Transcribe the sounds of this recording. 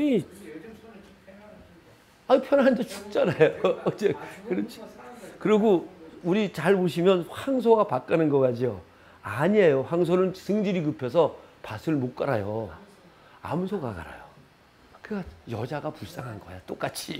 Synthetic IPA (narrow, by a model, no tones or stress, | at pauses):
i | aipʰjʌnɦand͡ʑʌt͡ɕuk̚t͡ɕ͈anajoʌd͡ʑekɯɾʌt͡ɕʰi̥kɯɾʌɡouɾit͡ɕaɭboɕ̬ʰimjʌnhaŋs̬ʰoɡapak͈anɯnɡʌkad͡ʑio | aɲiejoɸaŋs̬ʰonɯnsʰɯŋd͡ʑiɾikɯpʰes̬ʰʌpasʰɯɭmok͈aɾajo | a̰msʰoɡa̰ka̰ɾa̰jo | kɯɡajʌd͡ʑaɡapuɭs͈aŋɦanɡʌjat͈ok͈at͡ɕʰi